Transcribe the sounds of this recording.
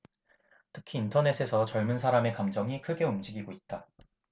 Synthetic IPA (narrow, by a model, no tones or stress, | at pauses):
tʰɯ̥kʰiːntʰʌne̞sʰe̞sʰʌt͡ɕʌɭmɯnsʰaɾame̞kamd͡ʑʌŋikʰɯɡe̞umd͡ʑiɡiɡoit̚t͈a